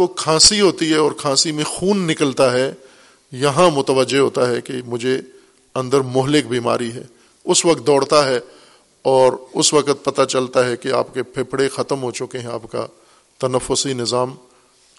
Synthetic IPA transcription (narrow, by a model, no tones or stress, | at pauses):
okʰãːsiɦoːt̪iɦɛɔːɾkʰãːsimẽxuːnːɪkəlt̪aɦɛ | jɐɦãmʊt̪əʋəd͡ʒːeɦoːt̪aɦɛkemʊd͡ʒʱe | ɐ̃nd̪əɾmʊɦlɪk̚bʱiːma̰ːɾiɦɛ̰ː | ʊsʋɐk̚t̪̚d̪ɔːɽ̤t̪aɦɛ | ɔːɾʊsʋɐkət̪̚pɐt̪at͡ʃɐlt̪aɦɛkea̰ːpkepʰeːpɽexɐt̪əmɦot͡ʃʊkeɦɛ̃a̰ːpka̰ | t̪ɐnəfːʊsinɪzaːm